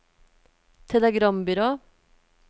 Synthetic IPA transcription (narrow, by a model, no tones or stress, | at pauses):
t̪ʰɛləɡɾɑmbʏɾoː